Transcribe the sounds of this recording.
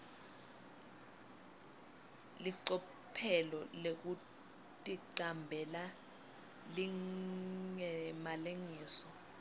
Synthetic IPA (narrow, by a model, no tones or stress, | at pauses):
liǀɔ | pʰɛlɔlek̬u | tʼiǃambʱɛla | li | ŋɛmaleŋiːsɔ